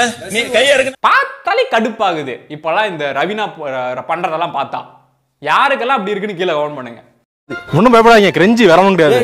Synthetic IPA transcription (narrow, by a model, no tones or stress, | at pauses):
nikɐjɐɾɯkːɯpaːt̪ːɐlɪkɐɽɯpːaːɣɯðɯɪpːɐlãːɪnd̪ɐɾɐʋɪnaːpɐɳrɐðɛlːãːpaːɾt̪ã̰ː | jaːɾɯk̬ːɛlːãːɐpːɐɽɪɾɯkːɯnːɯkiːlɐɡɐʋɐnpɐɳːɯŋɡɐ | mʊnːɯpojp̬ːɐɽaːŋɡɐ̃kɪɾɛɲd͡ʒɯʋɛɾɐnʊ̃ŋkɪɽɪjaːðɯ